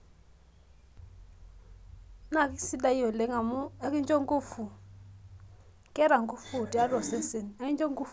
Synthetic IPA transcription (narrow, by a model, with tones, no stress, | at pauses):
na˦˨ki˦si˦da˦jɔ˨le˦ŋa˨mu˦ɛ˦ki˦nd͡ʒɔ˦ŋɡu˦fu˨ | kɛ˦ɾa˨ŋɡu˦fu˦˨ti˨˦a˦ɾɔ˨se˦se˨na˦ki˦nd͡ʒɔ˦ŋ˦ɡu˦